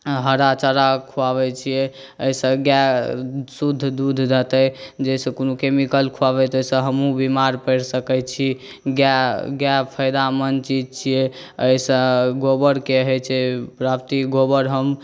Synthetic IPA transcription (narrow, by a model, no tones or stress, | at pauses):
ɦəɾat͡ʃəɾakʰuaβɛt͡ʃʰijɛ | əisə̃ɡja | sud̪ʱːd̪ud̪ʱd͡ʒət̪ɛd͡ʒəsə̃konukemikəlkʰuaβɛt̪əsə̃ɦəmɦũbimaɾpəɽsəkɛt͡ʃʰi | ɡaɡjapʰəjd̪amənt͡ʃid͡ʒt͡ʃʰijɛ | əjsə̃ɡobəɾkeɦɛt͡ʃʰɛpɾapt̪iɡobəɾɦəm